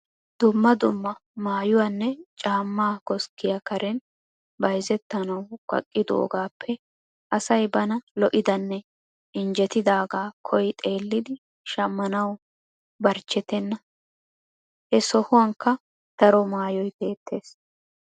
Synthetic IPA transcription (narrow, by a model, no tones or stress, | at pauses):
d̪̥ʊmːɐd̪ʊmːɐmaːjʊwanːɛt͡ʃʼaːmːaːkɔskːɪjɐkɐɾʔɛn | bɐjzɛt̪ːɐnɐwkʼɐ̰kʼːɪd̪o̰ːɡaːpʰːɛ | ʔɐsɐjbɐnɐlɔʔɪd̪ɐnːɛ | ɪnd͡ʒɛt̪ɪd̪aːɡaːkʰɔjt̪ʼe̞ːlːɪd̪ɪ | ʃɐmːɐnɐw | bɐɾt͡ʃːɛt̪ɛnːɐ | hɛsɔhʊwɐŋkːɐ | t̪ɐɾɔmaːjɔjbe̞ːt̪ːe̞ːs